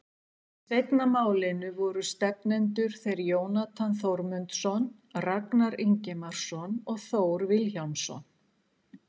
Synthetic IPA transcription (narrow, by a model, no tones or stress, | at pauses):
sejt̪namaːwlɪnʏvɔɾʏst̪ɛpnɛnt̪ʏɾ̥θejɾjoːwnat̪ʰanθowɾmʏnt̪sɔn | raknaɾɪɲcɛmaɾ̥sɔnɔɣθoːwɾvɪlçawmsɔ̰n